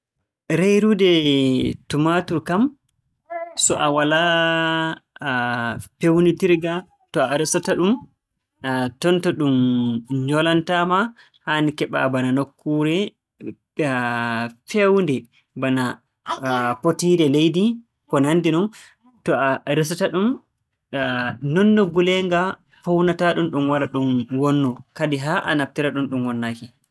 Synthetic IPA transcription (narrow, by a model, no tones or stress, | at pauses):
ɾejɾudɛ | tumatuɾkam | sɔʔawala | pewnitiɾɡa | tɔaɾisataɗum | tɔntɔɗumɲɔlantama | hanikɛɓa̰bananokʰːuɾɛ | fewndɛ | bana | potiːɾɛlejdi | kɔnanːdinɔn | tɔaɾis̬ataɗum | nɔnːɔɡulɛŋɡa | pɔwnataɗumɗumwaɾaɗumwɔnːɔkadiɦaʔa̰nap̚tiɾaɗumɗumwɔnːaki